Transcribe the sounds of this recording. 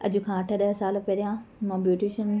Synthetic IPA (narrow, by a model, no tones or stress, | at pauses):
ɐd͡ʑʊkʰãːɐʈʰəɗɐɦsaːlpɐɾijãmãːbjuːʈiːʃən